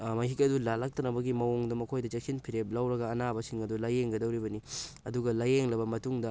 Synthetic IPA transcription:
mɐɦikɐdulalak̚tɐnɐbɐɡimɐwoŋdɐmɐkʰojdɐt͡ʃek̚sinpʰiɾep̚lɐwɾɐɡɐːnabɐsiŋɐdulajeŋɡɐdɐwɾibɐni | ɐduɡɐlajeŋlɐbɐmɐtuŋdɐ

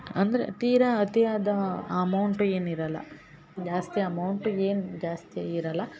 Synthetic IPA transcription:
ɐnd̪ɐɾḛt̪iːɾɐɐt̪ijaːd̪ɐmɐwɳʈueːniɾɐlːɐ̰ | d͡ʒaːst̪iɐmɐwɳʈueːnd͡ʒaːst̪iiɾɐlːɐ

